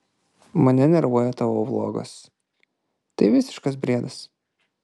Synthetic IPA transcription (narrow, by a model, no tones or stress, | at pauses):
mɐnʲɛnʲɛɾʋuɔjɛt̪ɐʋoːblˠo̰ːɡɐ̰s | t̪ɐɪʋʲɪsʲɪ̥ʃkɐs̬bʲɾʲiɛd̪ɐs